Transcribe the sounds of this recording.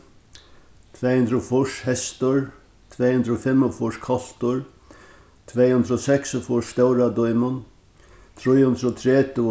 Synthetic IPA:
t̪ʰvɛːhʉnd̪ɾʊfʊʂhɛst̪ʊɹ | t̪ʰvɛːjhʉnd̪ɾɔfɪmːɔfʊʂkʰɔl̥t̪ʊɹ | t̪ʰvɛːjhʉnd̪ɾɔsɛksɔfʊʂst̪ɛwɾad̪ʊjmʊn | t̪ʰɾʊjhʉnd̪ɾɔt̪ʰɾɛːt̪ɪ

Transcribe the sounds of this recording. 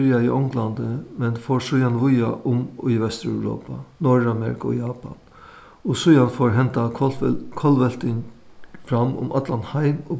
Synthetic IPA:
ɾjaiʔɔwŋklant̪əmɛnfoːɹsʊjanʋʊjaʔʊmiʋɛst̪ɾœ̰ʉɾo̰ːpanɔɹamɛ̰ɾɪkʰʊɔ̰jaːpa̰n | ɔsʊjanfoːɹɦɛnt̪akʰɔlʋɛlt̪ɪɲfɾamʊ̰mʔa̰t̪lanhaɪmɔ

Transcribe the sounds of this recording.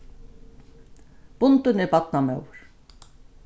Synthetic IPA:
b̥ʊnt̪ʏnɛɾpat̪namœwɾ̥

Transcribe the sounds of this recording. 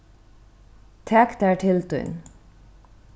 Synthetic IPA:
t̪ʰɛkt̪æɹʈʰɪlt̪ʉ̰n

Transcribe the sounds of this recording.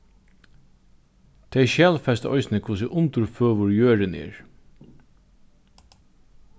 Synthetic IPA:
t̪ʰɛʃjæːlfɛst̪ɔ̰jsnɪkʰʊs̬ɪʔʊnt̪ʊɾføːʋʊɹjøːɾɪnɪ̰ɹ

